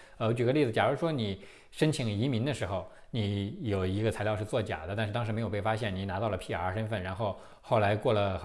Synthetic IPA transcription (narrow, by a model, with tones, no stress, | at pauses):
ə˧t͡ɕyi˨˩ɡə˦li˥˩d͡z̩˩t͡ɕja˨˩˧ʂwɔ˥ni˨˩ | ʂə˥nt͡ɕʰi˨˩ŋi˧˥mi˧˥ŋd̪ə˧ʂɻ̩˧˥xo˧ʊ | ni˧˥jo˨˩ʊi˧˥ɡə˧t͡sʰa˧˥ɪljɑ˥˧ʂ̩˥˧t͡swɔ˥˩t͡ɕja̰˨˩d̪ə˦˥˧nʂ̩˥˩t̪ɑ˥ŋʂɻ̩˧me˧˥ɪjpe˥˩fa˥ɕjɛ˥˩nni˨˩na˧˥t̪ɑ˥˩ʊlə˩pʰi˥˩ə̰˞˧˥ʂə˥nfə˥˩nɻa˧˥nxo˥˧ʊ | xo˥˩ʊla˧˥ɪkwɔ˥˩lə˩